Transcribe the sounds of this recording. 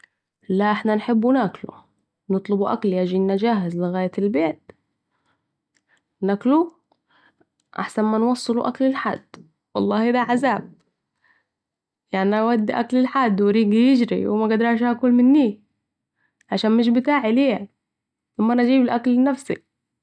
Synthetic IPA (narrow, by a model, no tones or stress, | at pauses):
laʔɪħnanħɪbːunaklṵ | nɨt̪ˤlɨbuʔa̰kljaːʒinːad͡ʒaːhɪzlɪɣaːjalbeːt̪ | naklu | ʔa̰ħsanmanwɑsˤːɨluʔaklɪlħa̰d̪̥ː | wɑlˤːɑːhid̪aʕazaːb̚ | jaʕniawad̪ːiʔaklɪlħad̪ːwɪɾiːɡijɪd͡ʒɾḭwɪmaɡad̪ɾˤɑːʃ̬hakuːlmɪnːiː | ʕaʃaːnmɪʃ̬bɪt̪aːʕiliːa | ʔamːanʔd͡ʒiːbɪlʔaklnafsḭ